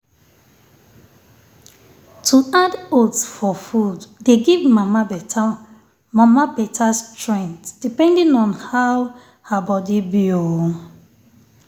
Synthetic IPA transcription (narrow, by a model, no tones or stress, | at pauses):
tʰuadotsfɔfuddeɡivmam | mamapɛtʰastɹɛ̃ntd̥ipɛ̃ndĩnɔ̃nhaw | habɔdibio